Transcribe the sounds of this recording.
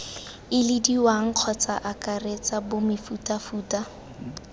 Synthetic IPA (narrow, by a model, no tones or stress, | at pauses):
ɪlɪdiwaŋ̩q͡χʰɔt͡saʔakʼaret͡sabʊmɪfutʼafuːta